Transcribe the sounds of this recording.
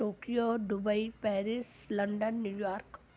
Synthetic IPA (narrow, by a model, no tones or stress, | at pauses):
oːkijoɖʊbəipɛːɾɪslə̃ɳɖənːjuːjaːɾk